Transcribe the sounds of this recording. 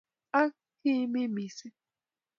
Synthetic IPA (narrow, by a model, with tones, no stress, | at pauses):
a˦ | ki˦mi˦mi˨si˦